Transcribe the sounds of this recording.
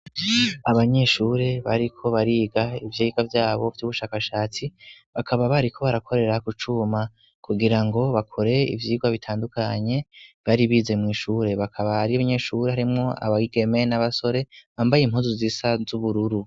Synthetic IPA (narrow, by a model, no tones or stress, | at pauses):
aβaɲe̞ʃuːɾe̞βaɾikʰo̞βaɾiːɡaivjiiɡavjaːβo̞fiuβuʃaːkaʃaːt͡siβakʰaβaβaɾikʰo̞βaɾakʰo̞ɾe̞ɾakut͡ʃuma | kʰuɡiɾaŋɡo̞βakʰo̞ɾe̞ḭvjiːɡwaβitʰaːndukʰaɲe̞βaɾiβiːze̞mŋiːʃuːɾe̞βakʰaβahaɾiaβaɲe̞ʃuːɾeɦaɾimŋo̞a̰βaɡiɡe̞me̞naβaso̞ɾe̞βaːmbajim̥huːzuzisazuβuɾuɾu